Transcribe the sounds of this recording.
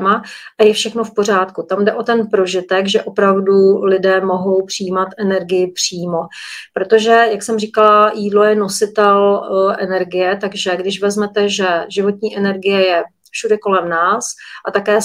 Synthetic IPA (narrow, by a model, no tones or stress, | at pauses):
maʔajɛfʃɛxno̞fpor̝aːt̪kut̪amdɛʔo̞t̪ɛnpɾo̞ʒɪt̪ɛɡʒɛʔo̞pɾavdulɪdɛːmo̞ɦo̞wpr̝̥ɪjiːmat̪ʔɛnɛɾɡɪjɪpr̝̥iːmo̞pɾo̞t̪o̞ʒɛjaksɛmriːkalajiːdlo̞jɛno̞sɪt̪ɛlʔɛnɛɾɡɪjɛt̪aɡʒɛɡdɪʃvɛzmɛt̪ɛʒɛʒɪvo̞t̪ɲiːʔɛnɛɾɡɪjɛjɛ | fʃudɛko̞lɛmnaːsʔat̪akɛː